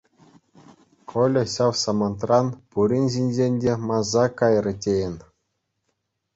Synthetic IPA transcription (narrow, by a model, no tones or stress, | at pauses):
kʰolʲɤ̆ɕɑwsɑmɑnt̪rɑnpuɾʲinʲʑinʲzenʲdʲemɑzɑkɑjrɤ̆tʲejenʲ